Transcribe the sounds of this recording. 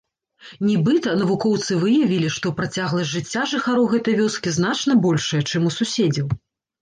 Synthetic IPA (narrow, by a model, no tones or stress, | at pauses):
nʲɛbɨt̪ɐn̪ɐvukɔwt̪sɨvɨjɐvʲilʲiʂt̪ɔpɾat͡sʲaɣlˠɐʐɨt͡sʲːaʐɨxaɾuwɣɛt̪ɐjvʲɔskʲiznat͡ʂnɐbɔlʲʂɐjɐt͡ʂɨmususʲed͡zʲɐw